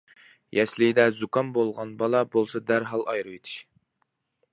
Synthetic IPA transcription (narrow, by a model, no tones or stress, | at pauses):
jɛslɪd̪ɛzukɑmbolˠʁɑnbɑlˠɑbolˠsɑd̪æɾɦɑlˠɑjɾɨet̪ʰi̥ʃ